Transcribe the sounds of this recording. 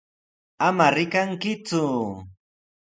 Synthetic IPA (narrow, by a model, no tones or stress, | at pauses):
amaɾɪkaŋkɪt͡sʊ